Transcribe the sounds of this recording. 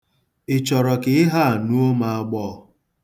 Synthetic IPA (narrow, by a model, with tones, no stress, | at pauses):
ɪ˨t͡ʃɔ˨ɾɔ˨kɪ˨ɪ˦ɦa˦a˨nu˦o˦ma˨a˦ɡ͡bɔː˦˨